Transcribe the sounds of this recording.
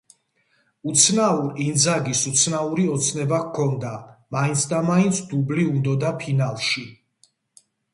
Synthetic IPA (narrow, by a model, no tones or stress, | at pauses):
ut̪sʰnauɾind̪zaɡisut̪sʰnauɾiɔt̪sʰnɛbakʰːɔnd̪amaint̪sʰd̪amaint̪sʰd̪ubliund̪ɔd̪apʰinalˠʃi